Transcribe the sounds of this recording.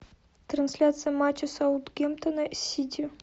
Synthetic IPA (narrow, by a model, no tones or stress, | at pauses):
t̪rɐnsʲlʲat̪sɨjəmat͡ɕɪsaut̪ɡʲemt̪onɐsʲit̪ʲi